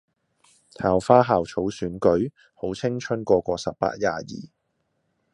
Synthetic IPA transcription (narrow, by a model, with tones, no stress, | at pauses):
t̪ʰaː˨wfaː˥ɦaː˨wt͡sʰo˨˥wsyː˨˥nkɵ˨˥ɥ | ho˨˥wt͡sʰɪ˥ŋt͡ʃʰɵ˥nkʷɔː˧kʷɔː˧sɐ˨p̚pːa̰ː˧t̚jaː˨jḭː˨˩